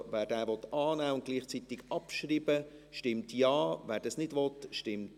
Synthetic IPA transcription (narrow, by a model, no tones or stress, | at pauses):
ʋæːɾdæːʋɔt̪ɑːnæːʊnt̚ɡ̥liːχt͡sit̪ɪɡ̥ɑpʃriːbə | ʃtɪmtjɑːʋæːɾdɑsnɪdʋɔt̪ʃtɪmt